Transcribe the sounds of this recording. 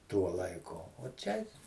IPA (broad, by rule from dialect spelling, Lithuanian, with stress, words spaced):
ˈtuɔ lˠɐɪˈkʊ oː ˈt͡ʃʲɛ